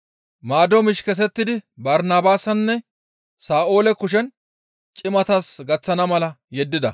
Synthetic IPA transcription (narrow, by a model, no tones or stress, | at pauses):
maːd̪ɔmɪʃkɛs̬ɛt̪ːɪd̪ɪbɐɾnaːbaːsɐnːɛ | saːʔo̞ːlɛkʊʃ̬ɛn | t͡ʃʼɪmɐt̪asɡɐt͡sːɐnɐmɐlɐjɛd̪ːɪd̪ɐ